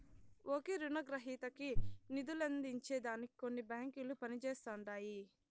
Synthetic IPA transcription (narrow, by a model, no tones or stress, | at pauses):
ʔoːkeɾunɐɡɾɐɦiːt̪ɐkinid̪ulɐnd̪iɲt͡ʃeːd̪aːniiko̞nːibaːŋkilupɐnit͡ʃɛːst̪ɐɳɖaːji